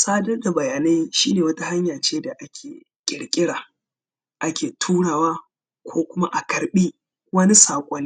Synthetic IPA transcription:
sʼaː˦dɐ˦rda˨bɐ˨jaː˨na˦jʃiː˦neː˨wɐ˦ta˦ha˦ɲjaː˨t͡ʃeː˦da˨ʔa˦kʲʰeː˨ | kʲʼɪ˨ɽkʲʼɪ˦ɽaː˨ | ʔa˦kʲeː˨tʰuː˦ɽaː˨waː˦ | kʷʰoː˦kʷʊ˦ma˦ʔa˨kɐ˨ɾɓiː˦ | wɐ˦ni˦saː˨kʷʼɐ˦nːi˦

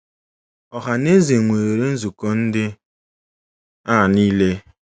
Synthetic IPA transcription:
ɔ˨ɦa˨ne˦ze˨ŋʷe˨ɾe˨ɾe˦n̩˦zu˨kɔ˨n̩˦dɪ˦ | a˦˨niː˦le˦

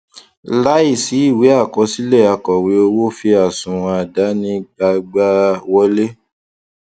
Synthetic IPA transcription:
la˦i˦˨si˨˦i˦˨we˨˦a˦˨kɔ˧˦si˦lɛ˦˨a˨kɔ˨we˨˦o˧wo˦fi˧a˨sũ˨w̃ɔ̃˧a˨da˨˦nĩ˦ɡ͡ba˧ɡ͡ba˦wɔ˧le˦

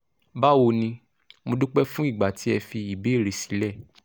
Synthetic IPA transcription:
ba˦wo˧nĩ˧ | mo˧du˦k͡pɛ˦fũ˦i˦˨ɡ͡ba˨ti˨˦ɛ˧fi˧i˨be˨˦e˦˨ɾe˨˦si̥˨˦lɛ˦˨

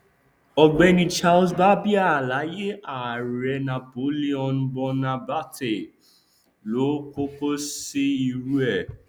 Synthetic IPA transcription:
ɔ˧ɡ͡bɛ˧nĩ˧t͡ʃa˦lsba˦bi˦a˦˨la˨˦je˦a˨ɾɛ˧na˨po˨˦li˦ɔ̃˧nbɔ˧nã˧ba˦te˨ | lo˨˦ko˦ko˦si˦i˧ɾu˦ɛ˦˨

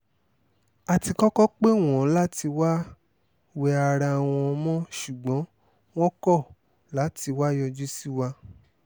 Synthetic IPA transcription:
a˨ti˧kɔ˦kɔ˦k͡pe˦˨w̃ɔ̃˨˦la˦ti˧wa˦ | wɛ˧a˧ɾa˧w̃ɔ̃˧mɔ̃˦ʃu˨ɡ͡bɔ̃˨˦ | w̃ɔ̃˦kɔ˦˨ | la˨˦ti˧wa˦jɔ˧d͡ʒu˦si˦wa˧

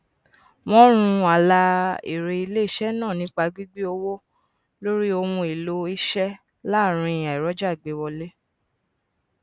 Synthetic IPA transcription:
mɔ̃˦ɾ̃ũ˧a˨la˧ḛ˨ɾe˧i˧le˦i˦ʃɛ˦nãː˦˨nĩ˨˦k͡pa˧ɡ͡bi˦ɡ͡bi˦o˧wo˦ | lo˦ɾi˦o˧m̃ũ˧i˨lo˧i˦ʃɛ˦ | la˦˨ɾ̃ĩ˧˨a˨i˨ɾɔ˨˦d͡ʒa˦˨ɡ͡be˨˦wɔ˧le˦

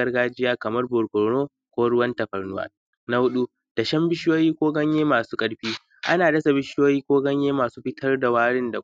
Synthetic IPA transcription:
ɐ˦rɡaː˦d͡ʒɪ˦jaː˦kɐ˨mɐ˦rbʊ˨ɾɡʷɔ˨ɾnoː˦ | kʷoː˦ɽʊ˦wɐ˦ntɐ˨ɸɐ˨rnʊ˦wa̰ː˦ | na˦hʊ˦ɗu˦ | d̥a˨ʃɐ˦mbɪ˦ʃjoː˦jiː˦kʷoː˦ɡɐ˦ɲjeː˦maː˨suː˦kʼɐ˦ɽɸiː˦ | ʔa̰˦naː˨dɐ˦sa˨bɪ˦ʃjoː˦jiː˦kʷoː˦ɡɐ˦ɲjeː˦maː˨suː˦ɸɪ˦tʰɐ˦rda˨waː˦ɽɪ˦nda˨

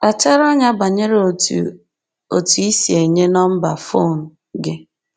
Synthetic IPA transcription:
a˨t͡ʃa˦ɾɔ˦ɲa˦ba˨ɲe˦ɾ | o˨tu˨i˦si˨e˨ɲe˦nɔ˦m̩˦ba˨fo˦˨n̩˨ | ɡɪ˦

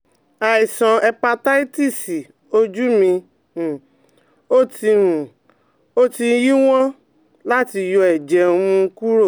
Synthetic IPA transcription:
a˨i˨sã˨ɛ˧pa˧ta˦i˦ti˦˨si˨ | o˧d͡ʒu˦mĩ˧˨ | o˦ti˧ɾũ˨ | o˦ti˧˦ji˦w̃ɔ̃˦ | la˦ti˧jɔ˧ɛ˨d͡ʒɛ˨o˧mũ˧˦ku˦ɾo˦˨

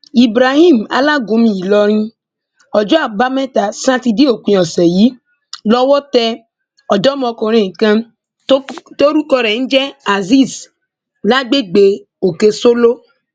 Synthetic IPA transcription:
i˨bɾa˨ɦĩ˦˨m˨a̰˨la˦ɡõ˧mĩ˨i˨lɔ˧ɾ̃ĩ˧ | ɔ˨d͡ʒɔ˦a˨ba˦mɛ̃˦ta˨sã˦ti˧di˦o˨kʷĩ˧˦ɔ˨sɛ˨ji˨˦ | lɔ˦wɔ˦tɛ˧ | ɔ˨dɔ˦mɔ̃˧kɔ˨ɾ̃ẽ˨kã˧˦ | to˦ɾu˦kɔ˧ɾɛ˨n̩˦d͡ʒɛ˦a˨zi˦˨s | la˦ɡ͡be˦ɡ͡be˨ | o˨ke˧so˦lo˦

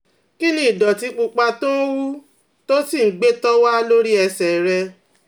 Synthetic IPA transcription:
ki˦nĩ˦i˨dɔ˨ti˧˦k͡pu˧k͡pa˧to˦wu˦ | to˦si˦˨˦ɡ͡be˦tɔ˦wa˦lo˦ɾi˦ɛ˧sɛ˨ɾɛ˧

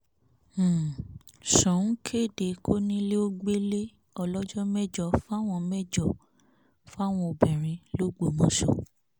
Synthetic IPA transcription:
ʃɔ̃˨n̩˦kʰe˦˨de˨kʰo˦nĩ˦le˦o˦ɡ͡be˦le˦ | ɔ˧lɔ˦d͡ʒɔ˦mɛ˦d͡ʒɔ˦fa˦˨w̃ɔ̃˧mɛ˦d͡ʒɔ˨ | fa˦˨w̃ɔ̃˧o˨bɛ̃˨ɾ̃ĩ˧lo˦ɡ͡bo˨mɔ̃˧˦ʃɔ̰˨

